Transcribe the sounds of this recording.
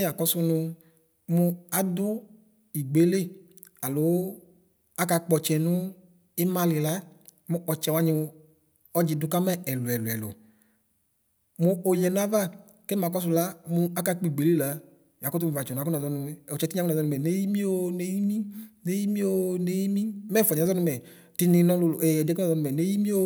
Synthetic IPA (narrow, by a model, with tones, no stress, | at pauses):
a˨kɔ˧˦sʊ˧nʊ˧ | mʊ˧a˦dʊ˦ | i˨ɡ͡be˨˦le˦˨ | a˨lʊ˨˦ | a˦ka˧k͡pɔ˧t͡ʃɛ˨nʊ˦ | ɪ˦ma˧lɪ˨la˦ | mu˧ɔ˨t͡ʃɛ˧˨wa˧˦ɲɪ˧ | ɔ˦d͡ʒi˧dʊ˨˦ka˦mɛ˦ɛ˨lu˨ɛ˨lu˨ɛ˨lo̰˨ | mu˧o˨jɛ˨n˦a˦va˦ | ke˦ma˨kɔ˧˦s̬u˧la˨˦mu˧a˦ka˧k͡pi˦˨ɡ͡be˨le˦la˧˦ | ja˨ko˦t̬u˦m̩˨va˨t͡ʃɔ˨n˨a˨˦u˦na˨zɔ˧nu˧mɛ˨o˨t͡ʃɛ˧ti˦a˨˦a˨ɔ˧nu˧mɛ˨ne˦ji˦mi˦o˦ne˦ji˦mi˦ne˦ji˦mi˦o˦ne˦ji˦mi˦mɛ˦˨fɔ˨ɲ˨zɔ˦nu˧mɛ˨ | ti˧nĩ˧nɔ˦lɛ˨ɛ˨da˨zɔ˧nu˧mɛ˨ne˦ji˦mĩ˦o˦